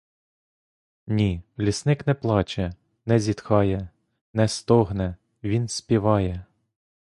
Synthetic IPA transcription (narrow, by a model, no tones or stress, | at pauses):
nʲilʲisnɪknɛplˠɑt͡ʃɛ | nɛzʲit̪xɑjɛ | nɛst̪ɔɦnɛ | ʋʲinsʲpʲiʋɑjɛ